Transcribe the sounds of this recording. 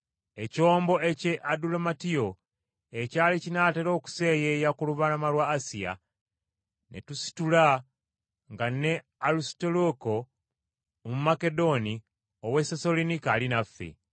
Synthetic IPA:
e̞co̞ːmbo̞ʔece̞ʔadulomatio̞ | ecaːlicinaːteɾo̞ːku̥se̞ːjejakuluβanamalwaːsija̰ | nʔe̞̰tusi̥tula | ŋɡanːe̞ | alustoloko̞ | mumake̞do̞ni | owesesolinikaːlinafːḛ

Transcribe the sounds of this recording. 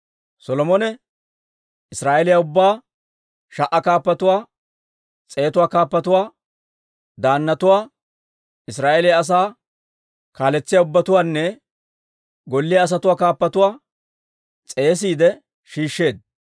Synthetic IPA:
sɔlɔmɔnɛ | ɪsɾaːʔelɪjaʊbːaː | ʃɐʔːɐkaːpːɐt̪ʊwaː | t͡sʼe̞ːt̪ʊwaːkaːpːɐt̪ʊwaː | d̪aːnːɐt̪ʊwaː | ɪsɾaːʔelɪjaːs̬aː | kaːlɛt͡sːɪjaʊbːɐt̪ʊwaːnːɛ | ɡɔlːɪjaːs̬ɐt̪ʊwaːkaːpːɐt̪ʊwaː | t͡sʼe̞ːs̬iːd̪ɛ | ʃiːʃːe̞ːd̪̚

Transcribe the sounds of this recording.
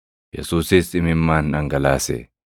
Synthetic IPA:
jɛ̰suːsɪsɪmɪmːaːnɐŋɡɐlaːsɛ̰

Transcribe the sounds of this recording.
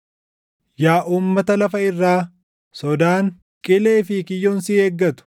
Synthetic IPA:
jaːʔuːmːɐt̪ɐlɐfɐɪrːaː | sɔd̪aːŋ | kʼɪle̞ːfɪkɪjːoːnsɪeːɡːɐt̪ʊ̥

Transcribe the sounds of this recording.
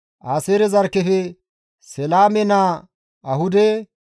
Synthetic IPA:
ʔaːseːɾɛzɐɾkːɛfɛ | sɛlaːmɛnaː | ɐhʊd̪ɛ

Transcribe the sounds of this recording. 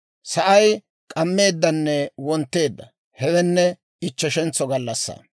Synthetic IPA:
sɐʔɐj | kʼɐmːe̞ːd̪ːɐnːɛwɔnt̪ːe̞ːd̪ːɐ | hɛwɛnːɛ | ɪt͡ʃːɛʃɛnt͡sːɔɡɐlːɐsːɐ̰

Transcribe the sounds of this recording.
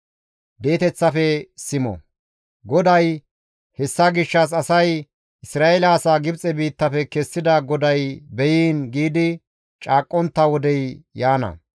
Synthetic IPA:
d̪e̞ːt̪ɛt͡sːɐfɛsɪmɔ̰ | ɡɔd̪ɐj | hɛsːɐɡɪʃːɐs̬ɐsɐj | ʔɪsɾaːʔɛlɐːsaːɡɪbt͡sʼɛbiːt̪ːɐfɛkɛsːɪd̪ɐɡɔd̪ɐjbɛjiːnɡiːd̪ɪ | t͡ʃʼaːkʼːɔnt̪ːɐwɔd̪ɛjjaːnɐ̰

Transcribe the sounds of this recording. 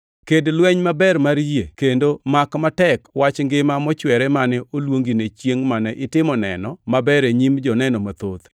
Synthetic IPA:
kedlwɛɲmabɛɾmaɾjekendomakmatɛkwat͡ʃŋɡɪmamɔt͡ʃwɛɾɛmanɪolwoŋɡinet͡ʃjeŋmanɛʔɪtɪmɔnɛ̰nɔmabɛɾeɲimd͡ʒɔnɛnɔmat̪ot̪

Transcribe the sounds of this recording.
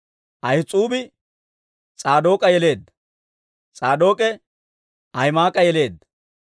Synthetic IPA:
ʔɐjt͡sʼuːbɪ | t͡sʼaːd̪o̞ːkʼɐjɛle̞ːd̪ | t͡sʼaːd̪oːkʼɛ | ɐjmaːkʼɐjɛleːd̪

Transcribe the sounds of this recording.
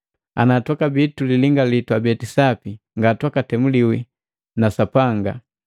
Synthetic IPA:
a̰natwakabituliliŋɡalitwabɛtisapi | ŋɡatwakatɛmuliwi | nasapaŋɡa̰

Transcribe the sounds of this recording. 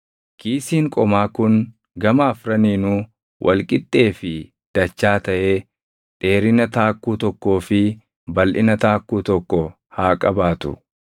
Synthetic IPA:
kiːsiːŋkʼɔmaːkʊn | ɡɐmaːfɾɐniːnuː | wʔɐ̰lkʼɪt̪ʼːe̞ːfɪ | d̪̥ɐt͡ʃːaːt̪ɐʔeː | t̪ʼe̞ːɾɪnɐt̪aːkːuːt̪ɔkːo̞ːfɪ | bɐlʔɪnɐt̪aːkːuːt̪ɔkːɔ | haːkʼɐbaːt̪ʊ̰

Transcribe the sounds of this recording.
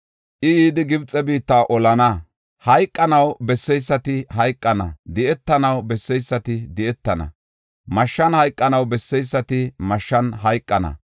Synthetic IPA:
ʔɪjiːd̪ɪɡɪbt͡sʼːɛbiːt̪ːaːʔɔlɐnɐ | hɐjkʼːɐnɐwbɛsːɛjsːɐt̪ɪhɐjkʼːɐnɐ̰d̪ɪɛt̪ːɐnɐwbɛsːɛjsːɐt̪ɪd̪ɪɛt̪ːɐnɐ̰ | mɐʃːɐnhɐjkʼːɐnɐwbɛsːɛjsːɐt̪ɪmɐʃːɐnɦɐjkʼːɐnɐ̰

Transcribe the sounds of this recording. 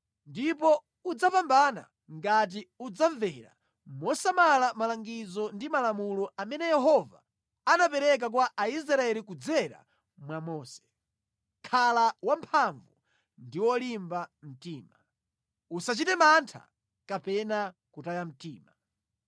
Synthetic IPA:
ndipɔ | ud͡zapambana̰ | ŋɡat̬iud͡zaɱvɛɾa̰ | mɔsamalamalaŋɡid͡zɔndimalamulɔamɛnɛjɛɦɔva̰ | anapɛɾɛk̬ak̬waʔais̬ɾaɛlikud͡zɛɾa̰ | mwamɔːsɛ̥ | kʰalawampʰaɱvu | ndiwɔlimbam̩tiːma | usat͡ʃitɛmantʰa̰ | kapɛnakutajam̩tiːma

